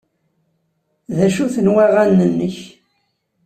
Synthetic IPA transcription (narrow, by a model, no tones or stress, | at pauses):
ðæʃuθənwæʁænːənːəç